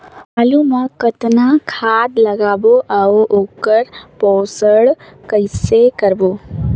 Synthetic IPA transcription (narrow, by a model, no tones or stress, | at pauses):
alumãkət̪nãkʰaːd̪lɐɡaːboʔaoʔoːkəɾpɔːsəɭkəɪsekəɾboː